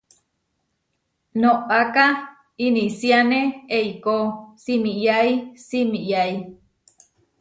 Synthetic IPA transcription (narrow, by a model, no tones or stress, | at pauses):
noʔaka | inisianeeikosimijaisimijai